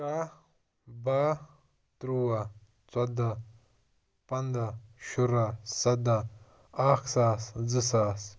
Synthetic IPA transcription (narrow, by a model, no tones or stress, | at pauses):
a | baː | t̪ɾuwa | t͡sɐd̪a | pɐnd̪aʃuɾasɐd̪a | aːkʰsaːszɨsaːs